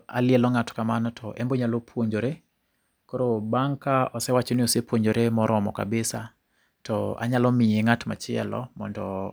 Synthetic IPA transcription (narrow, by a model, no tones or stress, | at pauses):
ʔa̰lɪɛlɔŋatkamanɔtʰɔʔɛmboɲalopʰwoɲd͡ʒoɾe | koɾobaŋkaɔsɛwat͡ʃonɪosepwoɲd͡ʒoɾemɔɾɔmɔ̰ka̰bɪsa | tɔ̰a̰ɲalɔmɪeŋatma̰t͡ʃɪɛ̰lɔ̰mɔ̰ndɔ̰